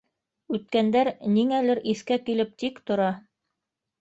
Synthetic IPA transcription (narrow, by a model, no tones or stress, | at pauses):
ʉt̪̚kænd̪æɾniŋælɘɾʔiθkækilɘp̚t̪ikt̪ŏɾɑ